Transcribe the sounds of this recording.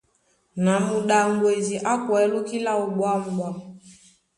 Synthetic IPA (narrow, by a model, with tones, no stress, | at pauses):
na˨mu˨ɗa˨ŋ˦ɡwe˨zi˨ʔa˦kwɛ˨˦lu˦ki˦la˦u˨ɓwa˦m̩˨ɓwa˦